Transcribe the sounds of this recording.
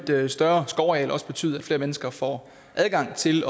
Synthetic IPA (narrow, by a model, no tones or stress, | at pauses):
d̥sd̥ɶɐsɡ̥ɒʊɛ̰ːlɒ̽sə̥b̥e̝t͡sʰy̰ːðˠæd̥fle̝ːɐmenəsɡ̥ɐfɒ̰ | ʔæð̞ˠɡ̥ɑ̈ŋ̰t͡sʰe̝lɒ̽